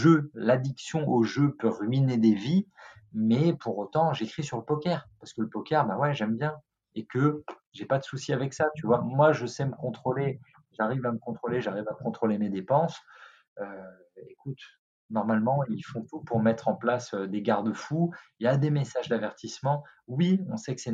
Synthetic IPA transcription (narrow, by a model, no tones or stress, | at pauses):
ʒølad̪iksjɔ̃ʔoʒøpøʁɥined̪evi | mɛpʰuʁot̪ɑ̃ʒekχisyʁləpɔkʲɛʁpaʁsə̥kələpɔkʲɛʁbãwɛʒɛmbjɛ̃ | ekə | ʒepad̪əsusiavɛksat̪yvwamwaʒəsɛməkɔ̃t̪χole | ʒaʁivaməkɔ̃t̪χoleʒaʁivakɔ̃t̪χolemed̪epɑ̃s | ø | ekut̪ | nɔʁmalmɑ̃ilfɔ̃t̪upuʁmɛt̪χɑ̃plasød̪eɡaʁd̪əfujad̪emesaʒd̪avɛʁt̪ismɑ̃wiɔ̃sɛksɛ